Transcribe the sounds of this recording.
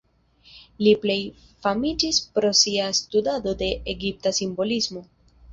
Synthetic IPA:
liple̞j | famid͡ʒispɾo̞siastudado̞de̞ʔeɡip̚tasimbo̞lizmo̞

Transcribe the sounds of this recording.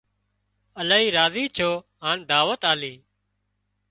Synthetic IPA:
əlaːɦiːɾaːziːt͡ʃʰoː | ɦaːnd̪aːʋət̪aːliː

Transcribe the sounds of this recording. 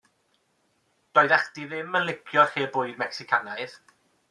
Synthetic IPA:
d̥ɔːjɨðaχd̥iðɪmənlˠɪɡjɔrheːbʊɨðmɛksɪkʰanaɨð

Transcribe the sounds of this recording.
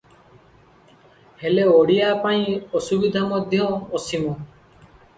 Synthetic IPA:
heleɔɽijapaĩɔsubid̪ʱamɔd̪ʱjɔɔsimɔ

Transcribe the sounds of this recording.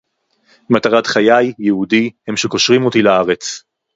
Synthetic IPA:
mataʁatχajajːehudihemʃeko̞ʃʁimo̞tilaaʁet͡s

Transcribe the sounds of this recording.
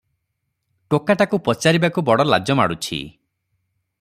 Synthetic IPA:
ʈokaʈakupɔt͡ʃaɾibakubɔɽɔla̰d͡ʒɔma̰ɽut͡ʃʰḭ

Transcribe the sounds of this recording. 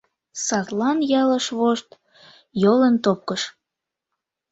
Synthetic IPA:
sɑt̪lɑnjɑləʃβoʃt̪ | jolənt̪op̚kəʃ

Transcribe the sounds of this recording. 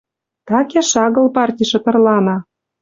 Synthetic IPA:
t̪ɑkʲeʃɑɣɤ̆lpɑrtʲiʃɤ̆t̪ɤ̆rlɑnɑ

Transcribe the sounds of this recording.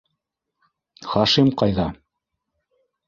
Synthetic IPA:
χɑʃimqɑjðɑ

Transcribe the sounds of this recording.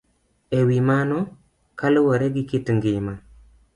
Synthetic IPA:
ewimanɔ | kalwɔɾeɡikitŋɡima

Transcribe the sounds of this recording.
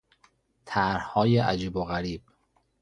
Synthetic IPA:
t̪ʰæɾhhɒːjeʔæd͡ʒiːboɣæɾiːb̥̚

